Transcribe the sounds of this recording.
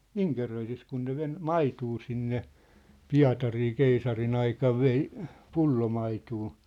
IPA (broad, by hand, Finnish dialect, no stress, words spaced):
iŋkerøisis kun ne ʋen mɑituː sinːe piɑ̝tɑriː keisɑrin ɑikɑʋ ʋei pulːomɑituː